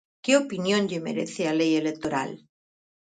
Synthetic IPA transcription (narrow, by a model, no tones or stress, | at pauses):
keopinjõnʎemḛɾḛθealejelek̚t̪oɾa̰l